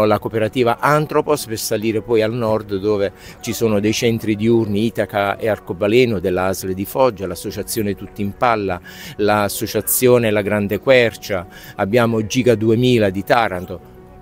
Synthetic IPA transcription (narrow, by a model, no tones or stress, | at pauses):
lakopeɾat̪iːvaʔant̪ɾopospersaliːɾepɔjalnɔrd̪d̪oːve | t͡ʃisoːnod̪ɛjt͡ʃɛnt̪ɾid̪iurniiːt̪akaearkobalɛːnod̪elːaazled̪ifɔd͡ʒːalasːot͡ʃat̪sːjoːnet̪ut̪ːimpalːa | laːsːot͡ʃat̪sːjoːnelaɡɾand̪ekwɛrt͡ʃaː | bːjaːmod͡ʒiːɡad̪uemiːlad̪it̪aːɾant̪o